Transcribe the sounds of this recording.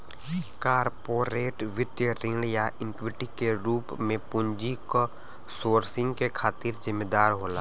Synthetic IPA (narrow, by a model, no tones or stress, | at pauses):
kaːɾpoːɾeːʈʋɪt̪jəɾɪ̃ːɽjaʔɪ̃ŋkʋɪʈikeɾuːpmẽpʊɲd͡ʒiko | soːɾsɪ̃ŋɡkekʰaːt̪ɪɾzɪmːeːd̪aːɾɦoːla̰ː